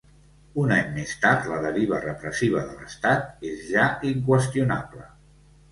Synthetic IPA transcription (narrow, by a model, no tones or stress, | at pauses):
unaɲmest̪aɾt̪ləðəɾiβ̞ərəpɾəsiβ̞əðələst̪at̪̚ezʒaiŋkwəst̪ijunaplə